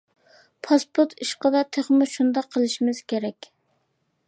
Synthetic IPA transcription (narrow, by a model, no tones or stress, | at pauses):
pʰɑspʊɾt̪ʰiʃqəd̪ɑt̪ʰeχmɪʃund̪ɑqʰːəlˠɪʃimɪz̥kʲʰeɾɛkʲ